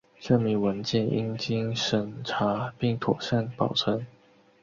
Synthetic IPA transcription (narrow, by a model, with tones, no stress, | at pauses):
ʈ͡ʂɤ˥˩mi˧˥ŋwə˧˦˥nt͡ɕjɛ˥˩nʔḭ˥ŋt͡ɕi˥ŋʂə˨˩ŋʈ͡ʂʰa˧˥pi˥˩ŋt̪ʰwɔ̰˨˩ɕa˥˩npɑ˨˩ʊʈ͡ʂʰə˧˥ŋ